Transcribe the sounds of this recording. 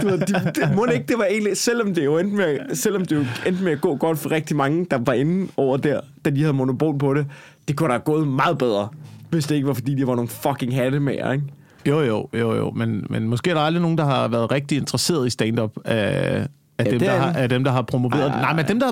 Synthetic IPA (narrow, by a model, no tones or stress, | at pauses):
d̥uʋeðd̥id̥emone̝ɡ̥̚d̥e̝ʋɑ̈e̝̰ːnlisel̰ɒ̽md̥e̝jo̝end̥meæsel̰ɒ̽md̥e̝jo̝end̥əmeæɡ̥ɔ̰̽ːɡ̥ɒ̽d̥fɒʁɛɡ̥̚d̥imɑ̈ŋəd̥ɑ̈ʋɑ̈e̝nn̩ɒʊ̰ɐd̥æɐ̰d̥ædihæðˠmo̝nopʰo̝̰ːlpʰɒ̽ɾe̝ | d̥e̝kʰuɾ̥ɑɡ̥ɔ̽ːð̞̩ˠmɑ̈ːð̩ˠb̥eð̞ˠʁɐʋe̝sd̥e̝e̝ɡ̥əʋɑ̈fɒ̽d̥ḭːd̥eʋɑ̈no̝ːn̩fɒ̽ɡʰe̝ŋɦæɾ̥əmeɐ̰eɡ̥ | jo̰jo̰jo̰jo̰menmenmɔ̽sɡe̝̰ːæɐɾ̥ɑ̈ɑld̥ʁino̝ːn̩d̥ɑ̈ɦɑ̈ʋæɐð̞̩ˠʁeɡ̥̚d̥ie̝nd̥ʁɐse̝̰ːɐð̞ˠisd̥ɛnd̥ɒ̽b̥æ | æd̥emdɑæd̥emd̥ɑ̈ɦɑ̈pʰʁo̝moʋe̝̰ːɐnɑ̈ɪmend̥emd̥ɑ